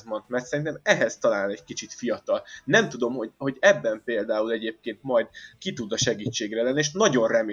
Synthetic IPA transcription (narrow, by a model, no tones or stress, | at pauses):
zmont̪mɛrt̪sɛɾint̪ɛmɛɦɛzt̪ɒlaːlnɛɟkit͡ʃit̪fijɒt̪ɒlnɛmt̪ud̪o̞mho̞ho̞ɟɛbːɛmpeːld̪aːulɛɟeːp̚keːnt̪mɒjd̪kit̪ud̪ɒʃɛɡiːt͡ʃːeːɡrɛlɛnːieːʃnɒɟo̞nrɛmeː